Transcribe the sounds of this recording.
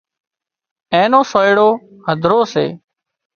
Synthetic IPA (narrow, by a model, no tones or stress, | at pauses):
ẽːnõːsoːjɽoː | həd̪ʱɾoːsḛː